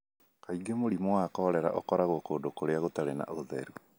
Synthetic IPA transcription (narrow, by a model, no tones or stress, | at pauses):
kaiɡemoɾimowakɔɾɛɾa̰ʔokɔɾaɣokoːdokoɾeaɣotaɾena̰ʔoðɛ̰ɾu